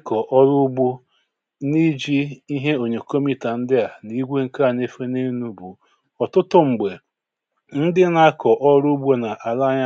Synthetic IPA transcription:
kɔ˨ʔɔ˦ɾʊ˦bu˦ | ni˦d͡ʒi˦i˦ɦe˦o˨ɲe˨ko˦mi˦ta˨n̩˦dɪ˦a˨ni˦ɡʷe˦ŋ̩˦ka˦˨ne˦fe˦ne˦nu˦bu˨ | ɔ˨tʊ˦tʊ˦ŋ͡m̩˨ɡ͡be˨ | n̩˦dɪ˦na˦kɔ˨ʔɔ˦ɾu˦ɡ͡bu˦na˨ʔa˨la˦ɲa˦

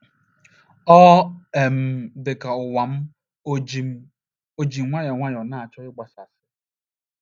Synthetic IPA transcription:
ɔ˦e˨m̩˨dɪ˨ka˨ʊ˨wa˨m̩˦˨˦ | o˦d͡ʒi˨m˨˦ŋʷa˦jɔ˨ŋʷa˦jɔ˨na˦˨a˨t͡ʃɔ˦ɪ˦ɡ͡ba˨sa˨sɪ˦

